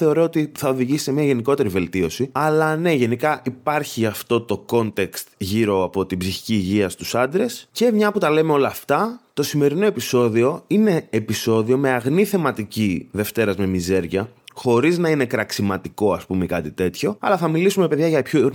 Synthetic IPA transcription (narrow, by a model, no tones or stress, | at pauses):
θe̞o̞ɾo̞ot̪iθɐoðiʝisi̥t̪emɲiɐʝe̞niko̞t̪e̞ɾive̞lt̪io̞siɐlɐne̞ʝe̞nikɐʔipɐɾçiɐft̪o̞t̪o̞ko̞nt̪e̞kst̪ʝiɾo̞ɐpo̞t̪ibziçi̥ciːʝiɐst̪usɐnd̪ɾe̞sce̞mɲɐput̪ɐle̞meolɐːft̪ɐt̪o̞sime̞ɾino̞e̞piso̞ðio̞ine̞ːpiso̞ðio̞me̞ɐɣniθe̞mɐt̪iciðe̞ft̪e̞ɾɐzme̞mize̞ɾʝɐxo̞ɾiznɐine̞kɾɐksimɐt̪iko̞ɐspumekɐt̪it̪e̞t̪ço̞ɐ̰lɐθɐmilisume̞pe̞ðʝɐʝɐpço